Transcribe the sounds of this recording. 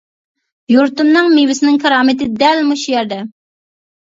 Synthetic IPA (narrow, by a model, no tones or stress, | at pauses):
juɾt̪umnɨŋmivɪsɪnɪŋkʰɑɾɑːmɪt̪ɪd̪ɛlmuʃujɛɾd̪ɛ